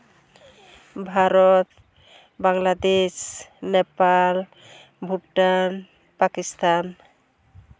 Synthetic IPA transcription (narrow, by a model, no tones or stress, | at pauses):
bʱaɾɔt̪ | baŋlad̪esnepal | bʱuʈːan | pakist̪an